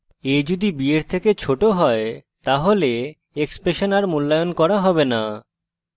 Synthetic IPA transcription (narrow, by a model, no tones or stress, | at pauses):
ed͡ʑod̪ibieɾt̪ʰeket͡ɕʰoʈoɦɔe | t̪aɦole | ekspɾeʃonaɾmulːajonkɔɾaɦɔbena